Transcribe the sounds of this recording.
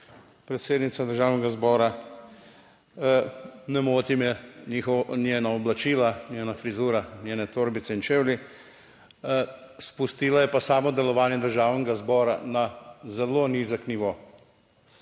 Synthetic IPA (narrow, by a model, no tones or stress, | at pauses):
pɾɛt̪seːd̪nit̪sad̪əɾʒaːwnɛɡazbɔːɾa | nɛmoːt̪imjɛnixɔnjeːnaɔblat͡ʃiːlanjenafɾizuːɾanʲjeːnɛt̪oːɾbit̪sɛint͡ʃeːwli | spust̪iːlajɛpasaːmɔd̪ɛlɔʋaːnjɛd̪əɾʒaːwnɛɡazbɔːɾanazɛlonizəkniʋoː